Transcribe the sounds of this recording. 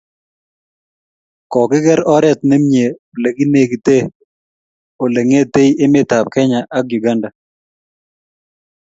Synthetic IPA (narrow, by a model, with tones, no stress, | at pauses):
kɔ˨kɪ˦ɡɛ˦ɾɔ˦ɾɛ˦˨t̪nɪ˦mɲe˨o˨le˨ɡi˦ne˦ɡi˨t̪e˦ | o˨le˨ŋe˦t̪e˦i˦ʔɪ˦mɪ˦t̪a˨p̚kɛ˦ɲa˨ʔa˦kju˨ɡa˦nda˨